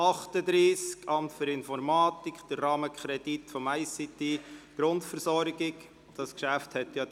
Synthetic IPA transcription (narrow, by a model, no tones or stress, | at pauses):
ɑχtəd̪ɾiːskɑmtføɾɪnfɔɾmɑːtikχd̥əɾːɑːməkʰχɾɛditfɔmæɪsitiɡ̥ɾʊntfəɾsɔɾɡɪk | d̥ɑskʃæfthɛt̪jɑ